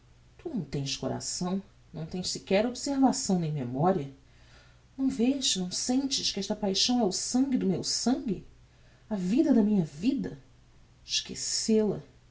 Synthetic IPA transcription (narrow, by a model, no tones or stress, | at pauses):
t̪unɐ̃w̃t̪ẽj̃ʃkoɾa̰sɐ̃w̃ | nɐ̃w̃t̪ẽj̃ssikɛɾobseɾvasɐ̃w̃nẽj̃memɔɾiɐ | nɐ̃w̃veʃnɐ̃w̃sẽnt͡ʃɪʃkɪɛʃt̪ɐpajʃɐ̃w̃ɛʊsɐ̃ŋɡʲɪd̪ʊmewsɐ̃ŋɡʲɪ̰ | ɐvid̪ɐd̪ɐmĩɲɐvid̪ɐ | ʃkḛselɐ